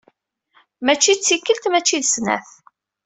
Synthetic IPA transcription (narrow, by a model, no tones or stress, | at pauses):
mæt͡ʃːit͡sːikːəlt̪mæt͡ʃːiðsnæ̰θ